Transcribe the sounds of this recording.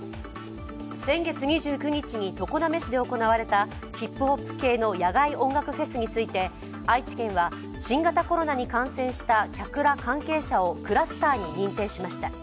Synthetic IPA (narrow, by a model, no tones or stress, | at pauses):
sẽ̞ŋɡe̞t͡sɨɲ̟iʑɨːkɯ̟ɲ̟it͡ɕiɲ̟it̪o̞ko̞name̞ɕid̪e̞oko̞naβ̞aɾe̞t̪a | çʲipːɯho̞pːɯ̟̥ke̞ːno̞jaɡaiʔõ̞ŋɡakɯ̟ɸe̞sɨɲ̟it͡sɨit̪e̞ | ait͡ɕi̥kẽ̞ɰ̃βa | ɕĩŋɡat̪ako̞ɾo̞naɲ̟ikãɰ̃sẽ̞ɰ̃ɕi̥t̪akʲakɯ̟ɾakãŋke̞ːɕao̞kɯ̟ɾasɨ̥t̪aːɲ̟iɲ̟ĩnt̪ẽ̞ːɕimaɕi̥t̪a